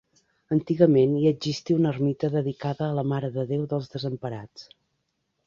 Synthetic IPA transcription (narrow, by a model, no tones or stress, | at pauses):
ənt̪iɣəmeniəd͡ʒist̪iunərmit̪əðəðikaðəːləmaɾəðəðewðəlˠzðəzəmpəɾat͡s